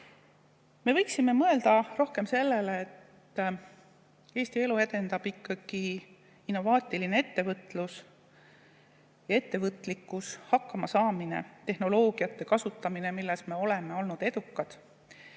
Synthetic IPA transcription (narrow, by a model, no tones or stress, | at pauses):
me̞vɤjksime̞mɤe̞ld̪̥ɑro̞hke̞mse̞lːe̞leːt̪ː | eːst̪ie̞lue̞d̪̥e̞nd̪ɑb̥ikˑːɑɡ̥i | inːo̞vɑːt̪ʲˑiline̞e̞t̪ːe̞vɤt̪ːˑlus | jɑe̞t̪ːe̞vɤt̪ːˑlikːˑushɑkːɑmɑsɑːmine̞̰t̪e̞hno̞lo̞ːɡ̥ijɑt̪ːe̞kɑsut̪ːɑmine̞milːesme̞o̞le̞me̞o̞lnud̪̥e̞d̪ukːɑd̪̥